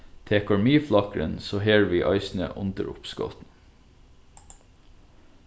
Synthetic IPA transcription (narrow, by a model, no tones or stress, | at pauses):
t̪ʰeːkɑɹmiːflɑkɹə̰nsoːheːɹʋiːʔɑɪsn̩ə̰ʔʊnd̪əɾʊ̰pskɔ̰t̪n̩